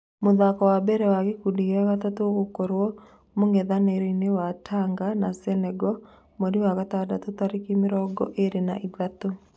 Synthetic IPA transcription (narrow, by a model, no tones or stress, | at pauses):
moðakɔwabɛɾɛwaɣekudiɛɣatatoɣokoɾwɔ | moŋɡɛðaneɾeinewatʰaŋɡanasɛnɛɡɔ | moɾiwaɣatadatotaɾikimɪɾɔɡɔ̰ʔeɾena̰ʔiɡato